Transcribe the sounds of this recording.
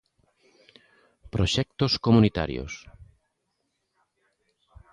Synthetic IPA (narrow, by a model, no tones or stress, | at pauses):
pɾoʃɛk̚t̪oskomunit̪a̰ɾjo̰s